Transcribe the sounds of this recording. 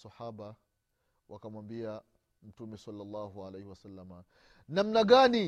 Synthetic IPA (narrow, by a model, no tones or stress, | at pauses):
saħaɓa | wʔakamwambia | m̩tumɛsalːalˤːɑɦualejhiwasalːama | namnaɠani